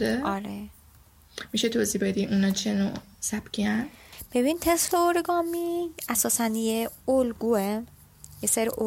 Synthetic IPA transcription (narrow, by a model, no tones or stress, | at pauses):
eɒɾe | miʃet̪ʰoːziːbed̪iʔunɒːt͡ʃʰeno̰ːʔ | sæbcʰiænb̥e̞biːnt̪ʰesleoɾeɡɒːmiːæsɒːsænjeolɡuːe | jeseɾḭʔo